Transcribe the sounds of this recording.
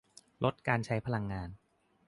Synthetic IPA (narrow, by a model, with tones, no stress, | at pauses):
lʔo˦˥t̪̚kaː˧nt͡ɕʰa˦˥jpʰa˧la˧ŋːaː˧n